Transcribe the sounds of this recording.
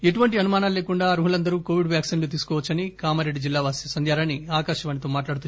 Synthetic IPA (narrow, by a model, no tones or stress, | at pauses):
e̞ʈuʋɐɳʈiɐnumaːnaːlleːkuɳɖaːɾuːɦulɐnd̪ɐɾuːko̞ːʋiɖʋjaːksiːnloːt̪̬iːsu̥kɔːʋɐt͡ʃːɐnikaːmɐɾeɖːid͡ʒilːaːʋaːsjɐsɐnd̪ʱjaːɾɐnːiaːkaːʃɐʋaːnit̪oːmaːʈlaːɽut̪u